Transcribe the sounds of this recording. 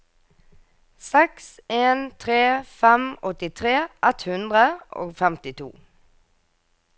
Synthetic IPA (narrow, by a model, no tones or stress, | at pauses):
sɛkseːnt̪ʰʁeːfɛmɔt̪ɪt̪ʰʁeːʔɛt̪hʉnd̪ʁəʔo̰ːɡfɛmt̪ɪt̪ʰṵː